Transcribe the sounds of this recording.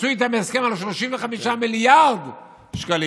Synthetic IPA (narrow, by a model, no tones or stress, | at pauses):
suit̪ameskemalʃ̬loʃiɱveχamiʃamiljaʁd̪ | ʃkali